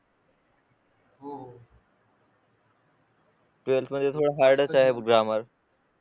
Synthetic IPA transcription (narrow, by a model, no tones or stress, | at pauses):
ʈelʈməd̪ʱːjet̪ʰoɽaɦajɖət͡ɕaɦebɡɾaməɾ